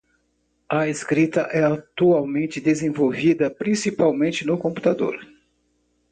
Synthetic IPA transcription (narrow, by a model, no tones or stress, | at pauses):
ɐeskɾit̪ɐʔɛat̪uawmẽnt͡ʃɪd̪ezẽvowvid̪ɐpɾĩsipawmẽnt͡ʃɪnʊkõpu̥t̪ad̪o̰ɾ